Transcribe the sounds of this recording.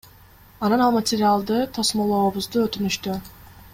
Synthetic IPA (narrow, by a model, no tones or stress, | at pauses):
ananalˠmat̪ʰiɾalˠd̪ɯt̪ʰasmolˠoobuzd̪uøt̪ʰynyʃt̪y